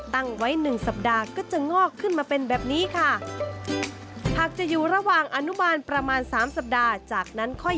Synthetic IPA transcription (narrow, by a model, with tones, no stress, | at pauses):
t̪a˥˩ŋwa˦˥jnɯ˨˩ŋsa˨˩p̚daː˧kɔː˥˩t͡ɕa˨˩ŋɔː˥˩kʰːɯ˥˩nmaː˧pe˧nbɛː˨˩p̚niː˦˥kʰa˥˩ | haː˨˩k̚t͡ɕa˨˩juː˨˩ɾa˧waː˨˩ŋʔa˧nu˦˥maː˧npɾa˧maː˧nsaː˩˦msa˨˩p̚daː˧t͡ɕaː˨˩k̚na˦˥nkʰɔ˥˩